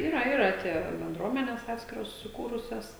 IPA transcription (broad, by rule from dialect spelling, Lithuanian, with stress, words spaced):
ˈiːrɐ ˈiːrɐ ˈtʲiɛ bʲɛnˈdruɔmʲɛnʲɛs ˈɑːtʲsʲkʲɪroːs sʊˈkuːrʊsʲɛs